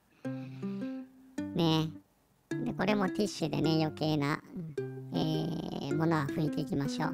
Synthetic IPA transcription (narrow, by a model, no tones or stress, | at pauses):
ne | d̪eko̞ɾe̞mo̞t̪ʲiɕɨd̪e̞̰ne̞jo̞ke̞ːna̰ | eːmo̞no̞βaɸɯ̟it̪e̞ikʲimaɕo̞̰ː